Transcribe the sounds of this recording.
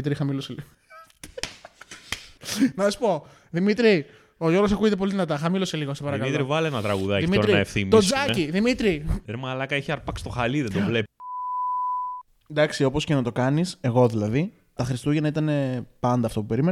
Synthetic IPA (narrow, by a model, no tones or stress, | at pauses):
t̪ɾixɐmiloseli | nɐsɐsu̥po̞ | ðimit̪ɾi | oʝoɾɣos̬ɐkuʝet̪epo̞liðinɐt̪ɐxɐmilo̞se̞liɣosepɐɾɐɐit̪ɾivɐlenɐt̪ɾɐɣuðɐcimioɾinɐefθimod͡zɐciðimit̪ɾiðeɾmɐlɐkɐiçiɐɾpɐksi̥t̪o̞xɐliðed̪ovlep | nd̪ɐksio̞po̞sce̞nɐt̪o̞kɐnise̞ɣo̞ðilɐði | t̪ɐxɾist̪uʝenɐit̪ɐne̞pɐnd̪ɐːft̪o̞pupe̞ɾime